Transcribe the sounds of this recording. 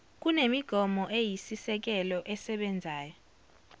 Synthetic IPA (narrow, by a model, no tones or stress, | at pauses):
k̬ʼunemiɡ̥ʱɔmɔʔejisisɛk̬ɛlɔʔɛsɛɓɛnd͡zʱaːjɔ